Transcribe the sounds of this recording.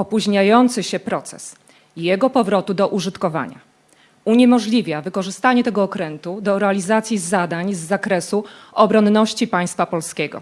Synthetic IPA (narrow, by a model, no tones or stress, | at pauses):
ɔpuʑɲajɔnt̪sɘɕɛpɾɔt̪sɛ̰s | jɛɡɔpɔvɾɔt̪ud̪ɔʔuʐɘt̪kɔva̰ɲa̰ | uɲɛmɔʐlʲivʲjavɘkɔʐɘst̪aɲɛt̪ɛɡɔːkɾɛnt̪ud̪ɔɾɛalʲizat̪sʲjizːad̪aɲzːakɾɛsuɔbɾɔnːɔɕt͡ɕipaj̃st̪fapɔlskʲɛɡɔ̰